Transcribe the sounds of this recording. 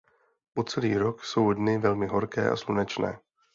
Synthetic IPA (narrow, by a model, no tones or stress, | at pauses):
pot͡sɛliːɾokso̞wdnɪvɛlmɪɦo̞ɾkɛ̰ːʔa̰slunɛt͡ʃnɛ̰ː